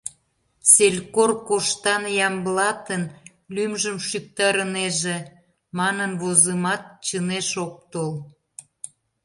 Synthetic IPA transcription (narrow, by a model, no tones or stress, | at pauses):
selʲkorkoʃt̪ɑnjɑmblɑt̪ən | lymʒəmʃyk̚t̪ɑɾəneʒe | mɑnənβozəmɑt̪̚t͡ɕəneʃok̚t̪ol